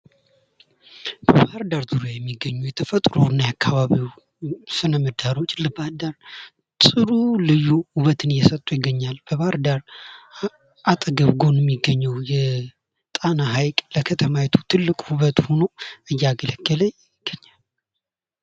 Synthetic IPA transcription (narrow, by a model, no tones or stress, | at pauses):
b̥əbaɾd̪aɾzɨɾojɛmːiɡːəɲːujɛt̪ʰəfət̪ʼɾonːajakʰːaβaβiw | sɨnəməd̪ːaɾo̞t͡ʃʼːləbaɾd̪aɾ | sʼɨɾulɨjːuhuβət̪ʰɨnjɛsət̪ʼːujɪɡːəɲːalb̥əβaɾd̪aɾ | ʔat̪ʼəɡəβɡo̞njɛmːiɡːəɲːɛwjɛ | t̪ʼanaɦajkʼləkʰət̪ʰəmawɛt̪ʰu̥t̪ʰɨlːɨkʼhuβət̪ʼho̞noɨjːaɡələɡːələ | ɪɡ̥ːəɲːal